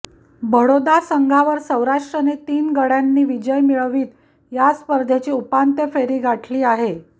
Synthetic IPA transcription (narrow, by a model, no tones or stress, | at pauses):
bʱəɽod̪asəŋɡʱaʋəɾsə̃wɾaʂʈɾənet̪iːnɡəɽjanːiːʋid͡ʑəjmiɭəʋiːt̪ | jaspəɾd̪ʱet͡ɕiːupant̪əfeɾiːɡaʈʰliːaɦe